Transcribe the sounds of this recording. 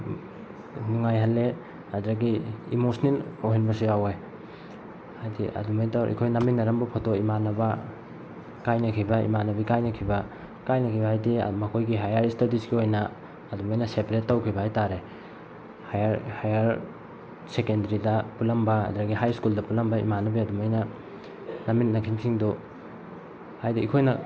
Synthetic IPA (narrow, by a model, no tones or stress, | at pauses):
nuŋajɦalːe | ɐdɾaɡiḭmosniloɦinbɐs̬iawe | hajdiʔɐ̰dumajtawʔḭkʰojnaminːɐɾɐmbupʰotoimanɐba | kajnɐkʰibɐḭmanɐbikajnɐkʰibɐ | kajnɐkʰibɐajdimɐkʰojɡiɦajaɾistatisɡiojnɐː | dumajnɐsepɾetːɐwkʰibɐɦajtaɾe | hajɾhajaɾ | sekendɐɾidɐpulɐmbɐɐ̰duɾɐɡiɦajskuldɐpulɐmbɐḭmanɐbiɐdumajnɐ | nɐmit̚nɐkʰimsiŋdu | hajdiːkʰojnɐ